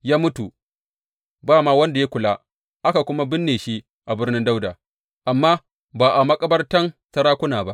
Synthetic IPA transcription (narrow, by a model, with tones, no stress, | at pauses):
jaː˦mʊ˦tu˨ | baː˦˨maː˦wɐ˦nda˨ja˦kʷʊ˨laː˦ | ʔa˦ka˨kʷʊ˦ma˦bɪ˦nːeː˨ʃi˦ | ʔa˨bɪ˦rnɪ˦nda˦wdaː˨ | ʔa˨mːaː˦ | baː˨ʔa˨mɐ˦kʼɐ˦bɐ˦rtɐ˦nsɐ˦ɾaː˦kʷʊ˦naː˨ba˦ʔ